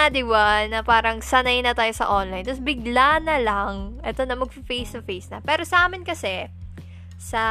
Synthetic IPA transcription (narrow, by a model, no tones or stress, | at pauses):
ad̪ɪwanːɐpaːɾɐŋsɐnɐjnɐt̪aːjosɐ̰ʔonlajnt̪ɐsbɪɡ̚lanɐlaŋʔɛt̪o̞nɐmɐɡ̚fɐfejst̪ʊfejsnɐpɛːɾo̞sɐʔaːmɪnkɐsɛ | sɐ